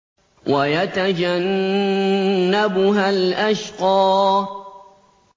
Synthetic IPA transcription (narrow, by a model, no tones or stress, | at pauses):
wʔajat̪ad͡ʒan | abʊɦalʔaʃqɑː